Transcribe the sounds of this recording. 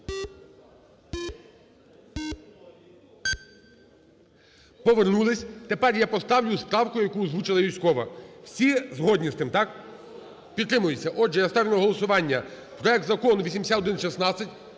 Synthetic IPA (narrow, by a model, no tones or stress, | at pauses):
pɔʋernulˠɪsʲt̪epɛrjapɔst̪ɑwlʲʊspɾɑwkʊjɐkuzʋut͡ʃɪlˠɐʋʲijsʲkɔʋɐwsʲizɦɔdʲnʲist̪ɪmt̪ɑk | pʲit̪ːɾɪmʊjet͡sʲːɐʔɔd͡ʒɛjɐst̪ɔɾʲnʲɛɦɔlˠɔsʊʋɑnʲːɐ | pɾɔɛk̚t̪zɐkɔnʊʋʲisʲimesʲat̪ɔd̪ɪnʃisnɑt͡sʲːɐtʲ